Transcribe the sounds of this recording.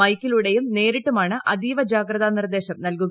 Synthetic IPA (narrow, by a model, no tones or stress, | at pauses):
ɐjkːiluɽejumne̞ːɾiʈːumaːɳɨʔɐd̪iːʋɐd͡ʑaːɡɾɐðanird̪e̞ːɕɐmnɐlkuɣɐ